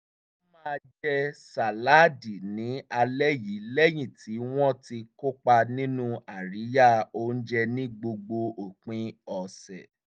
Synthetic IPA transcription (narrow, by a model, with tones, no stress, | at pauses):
mã˦˧d͡ʒɛ˦sa˨la˦di˨nĩ˨˦a˧lɛ˦ji˨˦lɛ˦j̃ĩ˨ti˨˦w̃ɔ̃˦ti˧ko˦k͡pa˧nĩ˦nũ˦a˨ɾi˨˦ja˦˨o˧˦n̩˦d͡ʒɛ˧nĩ˦ɡ͡bo˧ɡ͡bo˧o˨k͡pĩ˧ɔ˨sɛ˨